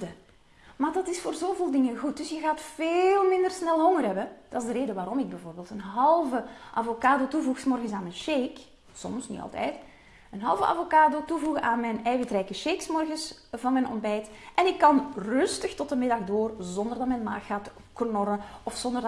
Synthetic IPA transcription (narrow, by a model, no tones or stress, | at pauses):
də | maːrdɑtɪsfoːrzoːveːlˠdɪŋənɣut̚dɵsjəɣaːtfeːlˠmɪndərsnɛlˠɦɔŋərɦɛbəd̥ɑɪzdəɾeːdəʋaːɾɔmɪɡ̚bɛvoːrbeːlˠtənɦɑlˠvəʔɑ̰vokaːdotuvuxsmɔrɣənsaːnmɛnʃeːk | sɔ̰msnḭɑ̰lˠtɛ̰jt | ənɦɑ̰lˠvə̰ʔɑ̰vokaːdotuvuɣəʔaːnmɛnɛjvətrɛjkəʃejksmɔrɣəsvɑnmɛnɔ̰mbɛjtʔɛnɪkːɑnrʏstəxtɔtəmɪdɑɣdoːrzɔndərdɑtmɛnma̰ːxːaːt | knɔɾəɔfsɔndər